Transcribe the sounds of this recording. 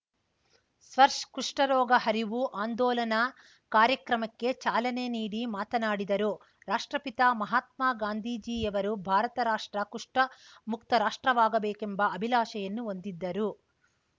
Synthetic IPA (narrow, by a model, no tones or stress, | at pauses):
sʋɐɾʂkuʂʈɐɾɔːɡɐhɐɾiʋuʔaːnd̪ɔːlɐnɐ | kaːɾjɐkɾɐmɐkːe̞t͡ʃaːlɐne̞niːɽimaːt̪ɐnaːɽid̪ɐɾu | ɾaːʂʈɾɐpit̪amɐɦaːt̪maːɡaːnd̪ʱiːd͡ʒiːɐʋɐɾubʱaːɾɐt̪ɐɾaːʂʈɾɐkuʂʈɐ | muk̚t̪ɐɾaːʂʈɾɐʋaːɡɐbɛːkembɐɐbʱilaːʃɐjɐnːuond̪id̪ːɐɾu